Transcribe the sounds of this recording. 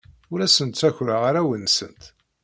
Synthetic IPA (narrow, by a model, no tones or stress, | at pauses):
ʊɾæsənt̪t͡sæçɾaʁaɾæwənsənt̪